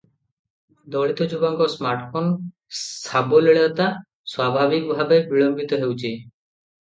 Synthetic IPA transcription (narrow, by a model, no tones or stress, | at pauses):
d̪ɔɭit̪ɔd͡ʒubaŋkɔsmaɾʈpʰon | sʰaboleɭewt̪a | swabʱabik̚bʱabepɾiɭombit̪ɔɦewt͡ʃʰi